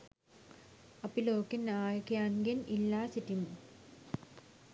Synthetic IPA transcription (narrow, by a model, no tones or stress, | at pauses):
ɐpiloːkːinaːjkjaːŋɡɐnilːaːsitːim